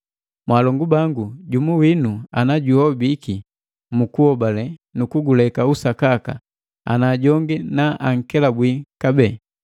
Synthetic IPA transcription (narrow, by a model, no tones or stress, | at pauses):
mwaːlɔŋɡubaŋɡuɟumuwinuanaɟuɔbiki | mukuhɔbalɛnukuɡulɛkausakaka̰ | a̰naɟɔŋɡinaʔaŋ̩kɛlabwikabɛː